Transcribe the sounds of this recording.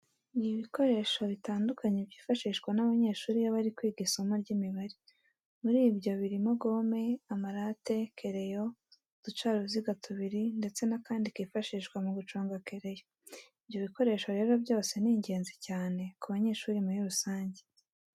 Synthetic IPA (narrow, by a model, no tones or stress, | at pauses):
niβiko̞ɾe̞ːʃo̞βitaːndukʰaɲebɟiːfaʃiːʃkwanaβaɲe̞ːʃuːɾijaβaɾikwiːɡisomaɾɟimiβaɾi | muɾiːbɟo̞βiɾimo̞ɡo̞ːme̞amaɾate̞kʰe̞ɾe̞jo̞ | z̥ut͡ʃaːɾuziɡatʰuβiɾinde̞t͡se̞nakaːndikiːfaʃiːʃkwamuɡut͡ʃoːŋɡake̞ɾe̞jo | ivjo̞βiko̞ɾe̞ːʃo̞ɾe̞ːɾo̞bjo̞ːse̞niːɲɟe̞ːnzicaːne̞kuβaɲe̞ːʃuːɾimuɾiɾusaːɲɟe